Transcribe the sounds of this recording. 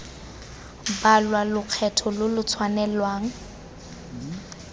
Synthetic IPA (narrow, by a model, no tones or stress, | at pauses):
balwalʊq͡χʰɛtʰɔlʊlʊt͡sʰwanɛlwaːŋ̩